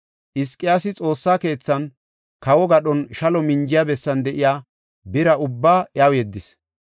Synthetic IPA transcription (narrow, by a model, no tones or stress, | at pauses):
ʔɪskʼːɪjaːsɪt͡sʼo̞ːsːaːke̞ːt͡sːɐn | kɐwɔɡɐɗɔnʃɐlɔmɪɲd͡ʒɪjabɛsːɐnd̪ɛʔɪjaː | bɪɾɐʔʊbːaːʔjawjɛd̪ːɪs